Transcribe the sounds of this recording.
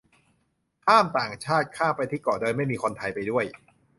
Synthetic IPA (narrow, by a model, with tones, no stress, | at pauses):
t̪ʰaː˥˩mt̪aː˨˩ŋt͡ɕʰaː˥˩t̪̚kʰaː˥˩pa˧jt̪ʰiː˥˩kɔː˨˩dɤː˧nma˥˩jmiː˧kʰo˧nt̪ʰa˧jpa˧jdu˥˩əj